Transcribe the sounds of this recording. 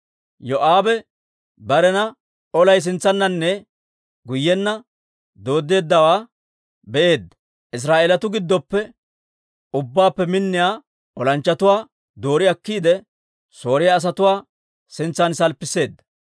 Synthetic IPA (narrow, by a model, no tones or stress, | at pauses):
jɔʔaːbɛ | bɐɾɛnɐ | ɔlɐjs̬ɪnt͡sːɐnːɐnːɛ | ɡʊjːɛnːɐ | d̪o̞ːd̪ːe̞ːd̪ːɐwaː | bɛʔe̞ːd̪ːɐ̥ | ʔɪs̬ɾaːʔeːlɐt̪ʊɡɪd̪ːɔpːɛ | ʊbːaːpːɛmɪnːɪjaː | ʔɔlɐnt͡ʃːɐt̪ʊwaː | d̪o̞ːɾɪɐkːiːd̪ɛ | so̞ːɾɪjaːs̬ɐt̪ʊwaː | sɪnt͡sːɐnsɐlpːɪsːe̞ːd̪ːɐ̥